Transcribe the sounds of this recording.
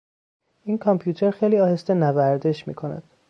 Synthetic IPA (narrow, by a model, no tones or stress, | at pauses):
ʔiːnkʰɒmpʰjuːt̪ʰeɾxejliːɒːhe̞st̪e̞nævæɾd̪e̞ʃmḭːkʰo̞næ̰d̪̥